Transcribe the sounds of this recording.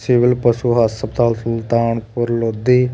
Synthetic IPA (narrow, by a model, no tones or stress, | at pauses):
sɪʋɪlpəʃuɦasəbt̪aːlsʊlt̪aːɳpʊɾlod̪iː